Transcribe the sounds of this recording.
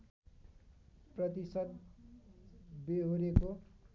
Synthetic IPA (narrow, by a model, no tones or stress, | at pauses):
prʌt̪isʌd̪ | beɦoɾeko